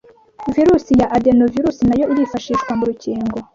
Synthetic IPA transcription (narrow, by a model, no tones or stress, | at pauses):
viɾuːsijaʔadenoviɾusinajo̞iɾifaʃiːʃkwamuɾuciːŋɡo̞